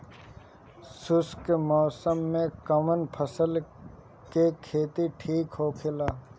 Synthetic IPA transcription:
sʊskemɔːsəmːẽkəmənpʰəsəl | kekʰeːt̪iʈʰiːkɦokʰɪlaː

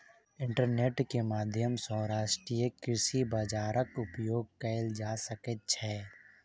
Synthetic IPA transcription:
ɪ̃ɳʈəɾneːʈkemaːd̪ʱjəmsɔːɾaːʃʈɾijəkɾɪʃibaːd͡ʒaːɾəkʊpjoːɡ̚kɛɪld͡ʒaːsəkət̪̚t͡ʃʰɛː

